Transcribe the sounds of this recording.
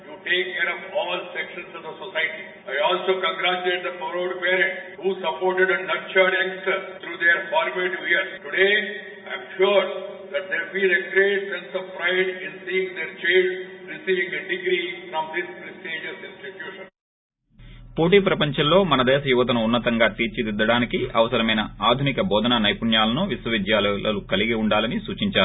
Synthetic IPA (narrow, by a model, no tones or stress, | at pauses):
juʈeːkːeːɾɔʋnɔːʋəlsɛkʃə̃nsʈud̪əsosajʈi | aɪɔːlsoːkə̃ŋɡɾat͡ʃuleːʈ̚d̪əfɔɾoɖpeːɾẽɳʈhuːsɐpoːɾʈeɖenɐɾ̚t͡ʃaɖɛ̃ŋsʈəɾt̪ʰɾuːd̪eɾfɔːɾmeʈuʋiəɾʈuɖeː | ãɪ̃mʃoɖd̪æʈ̚d̪eːfiːleɡɾeːʈsẽnsɔʋpɾaɪɖĩnsiːĩŋd̪eɾt͡ʃẽːnɾisiːʋĩŋeɖiɡɾifɾɔ̃md̪ispɾisʈeːd͡ʒɐsĩnsʈiʈjuːʃə̃n | po̞ːʈiːpɾɐpɐɲt͡ʃɐmlo̞ːmɐnɐd̪ɛːʃɐjuʋɐt̪̬ɐnuːnːɐt̪ɐŋɡaːt̪iːɾt͡ʃid̪id̪ːɐɽaːnikiʔɐ̰ʋɐsɐɾɐmɐjnɐaːd̪ʱunikɐbɔːd̪ɐnɐnɐjpuɳjaːlɐnuʋiswɐʋid̪jaːlɐlɐlukɐliɡiuɳɖaːlɐnisuːt͡ʃiɲt͡ʃaːɾu